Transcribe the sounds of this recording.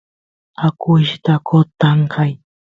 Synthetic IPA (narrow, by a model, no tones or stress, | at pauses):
akʊʃt̪akot̪aɴkaj